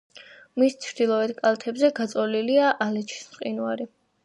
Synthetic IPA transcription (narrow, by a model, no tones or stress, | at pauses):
mist͡ʃʰɾd̪ilˠɔɛd̪kʼalˠt̪ʰɛbzɛɡat̪sʼɔliliaʔalɛt͡ʃʰi̥smqʼinuaɾi